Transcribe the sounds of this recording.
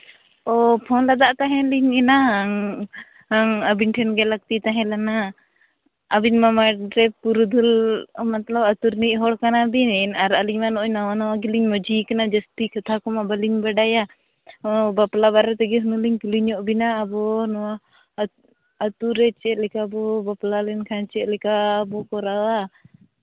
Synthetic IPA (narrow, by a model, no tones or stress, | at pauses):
ɔpʰɔnlad̪aʔt̪aɦɛ̃liɲɛnaŋ | ŋəbinʈʰɛnɡɛlak̚t̪it̪aɦɛ̃lana | binmamaɾɛpuɾud̪ulmat̪labat̪uɾniʔɦɔɽkanabinnaɾaliɲmanɔʔnawanɔwaɡiliɲmɔd͡ʒikanad͡ʒəst̪ikat̪ʰakɔmabaliɲbaɖaja | baplabaɾɛt̪ɛɡɛɦunuliɲkiliɲɔʔbinaːbɔnɔwa | t̪uɾɛt͡ʃɛʔ̪̚lɛkabɔbaplalɛnkʰant͡ʃɛʔlɛkabɔkɔɾawa